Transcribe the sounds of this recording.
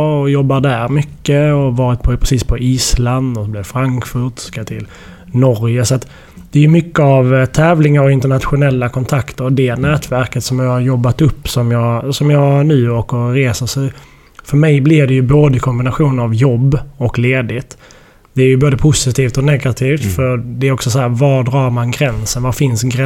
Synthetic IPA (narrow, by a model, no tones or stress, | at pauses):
ɔjɔbːad̪æɾmʏkːəɔvɑːɾɪt̪̚pʰɔpʰɾɛsiːspʰɔʔiːsland̪ɔsblɛfɾaŋkfɵɾt̪skat̪ʰɪl | nɔɾjəsɔat̪ | d̪̥ɛæjɵmʏkːəavt̪ʰɛːvlɪŋaɾɔɪnt̪əɳat̪ɧʊnɛlːakʰɔnt̪ʰakt̪əɾɔd̪ɛnɛːt̪ʰvæɾkət̪sɔmjɑhaɾjɔbːat̪ɵpːsɔmjɑːsɔmjɑːnʉ̟ːoːɾkəɾɾeːsəsɛ | fœɾmɛjblɪvd̪ɛjɵboːd̪əkʰɔmbɪnaɧuːnəɾavjɔbːɔkleːd̪ɪt̪ | d̪̥ɛæɾjɵboːd̪əpʰʊsɪt̪ʰiːft̪ɔnɛɡat̪ʰiːft̪fœɾd̪ɛæɾɔksɔsɔhæːɾvɑdɾɑːɾmanɡɾɛnsənvafɪnsɡɾ